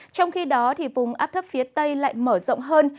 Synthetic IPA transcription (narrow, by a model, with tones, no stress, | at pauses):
t͡ɕɔ˧wŋ͡mxi˧ɗɔ˨˦t̪ʰi˨˩vʊ˨˩ŋ͡mʔaː˦˥p̚t̪ʰə˦˥p̚fi˨˦ət̪ə˧jla̰ː˧˨jməː˧˩zɔ̰˧˨wŋ͡mɦəː˧n